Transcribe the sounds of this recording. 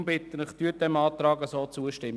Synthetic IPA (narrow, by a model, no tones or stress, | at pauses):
mbɪt̪ənəχt̪yːt̚dɛmɑːt̪ɾɑːɡəsoːt͡suəʃtɪmː